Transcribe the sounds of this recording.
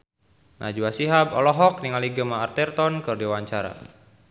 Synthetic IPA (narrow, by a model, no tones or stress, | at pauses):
nʔa̰d͡ʒuasiɦabɔ̰lɔɦɔk̚niŋaliɡəmaːrt̪ɛrt̪ɔnkɨrdiwaɲt͡ʃaɾa̰